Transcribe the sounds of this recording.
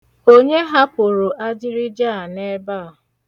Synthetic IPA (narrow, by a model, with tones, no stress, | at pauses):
o˦ɲe˦ɦa˦po˨ɾo˨ʔa˦d͡ʒɪ˦ɾi˦d͡ʒa˦˨a˨ne˦ba˦a˨